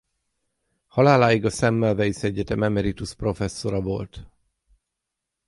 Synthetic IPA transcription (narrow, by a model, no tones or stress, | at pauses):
hɒlaːlaːjiɡɒsɛmːɛlvɛjisɛɟːɛt̪ɛmɛmɛɾit̪uspro̞fɛsːo̞ɾɒvo̞lt̪